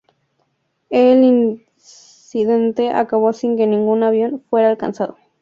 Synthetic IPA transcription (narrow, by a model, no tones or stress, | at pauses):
elin | siðent̪eʔa̰kaβosiŋkenĩŋɡunaβjo̞nfweɾaːlka̰nsaðo